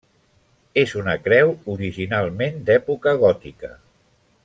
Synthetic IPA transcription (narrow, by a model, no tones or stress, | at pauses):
ezunəkɾɛwuɾiʒinalˠmend̪ɛpukəɣ̞ɔt̪ikə